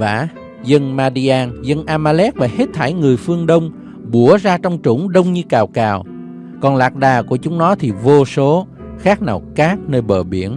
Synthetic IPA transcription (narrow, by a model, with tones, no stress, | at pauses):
va̰ː˧˩ | zə˧nmaː˧ɗi˧ʔaː˧nzə˧nʔaː˧maː˧lɛ˦˥k̚vaː˨˩he˦˥t̚t̪ʰa˧˩jŋɨ˨˩əjfɨ˧əŋɗə˧wŋ͡m | ɓu˧˩əzaː˧t͡ɕɔ˧wŋ͡mt͡ɕṵ˧˩˦ŋ͡mɗə˧wŋ͡mɲɨ˧kaː˨˩wkaː˨˩w | kɔ˨˩nlaː˨˩k̚ɗaː˨˩ku˧˩ət͡ɕʊ˨˦ŋ͡mnɔ˨˦t̪ʰi˨˩vo˧so˨˦ | xaː˦˥k̚naː˨˩wkaː˦˥k̚nəː˧jɓəː˨˩ɓi˧˩ən